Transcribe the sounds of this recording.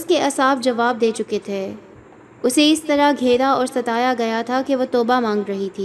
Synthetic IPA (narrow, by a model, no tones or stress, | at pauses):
ʊskeɐsaːb̚d͡ʒɐʋaːb̚d̪eːt͡ʃʊket̪ʰeː | ʊseɪst̪ɐɾaɡʱeːɾaɔːɾsɐt̪aːjaɡɐjat̪ʰakeʋot̪ɔːbamãːŋɡɾɐɦit̪ʰiː